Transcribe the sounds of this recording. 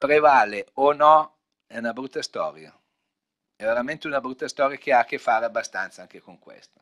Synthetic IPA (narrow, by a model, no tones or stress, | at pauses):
pɾevaːleonɔ | ɛunabɾut̪ːast̪ɔ̰ːɾja̰ | ɛveɾament̪eunabɾut̪ːast̪ɔːɾjakeakːefːaːɾeabːast̪a̰nt̪saaŋkekoŋkwḛst̪ḁ